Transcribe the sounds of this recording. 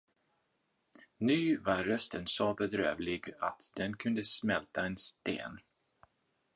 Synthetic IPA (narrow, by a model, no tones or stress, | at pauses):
nʉ̟ːvaɾːœst̪ʰənsobɛd̪ɾø̰ːvlɪɡat̪d̪̥ɛnkʰɵnd̪əsmɛlt̪aɛnst̪ḛːn